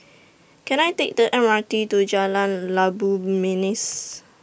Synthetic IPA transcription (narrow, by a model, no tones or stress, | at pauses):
kɛ̃najtek̚dəʔɛ̃nmatitud͡ʒalãnlabuminɪs